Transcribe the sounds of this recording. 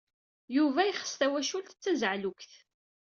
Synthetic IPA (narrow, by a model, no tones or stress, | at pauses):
juvæjχə̥st̪æwæʃult̪ət͡sːæzʕlukθ